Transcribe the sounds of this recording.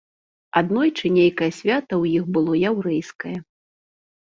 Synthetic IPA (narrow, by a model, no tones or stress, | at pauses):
ad̪nɔjt͡ʂɨnʲejkɐjɐsʲvʲat̪ɐwjixbɨlˠɔjawɾɛjskɐjɐ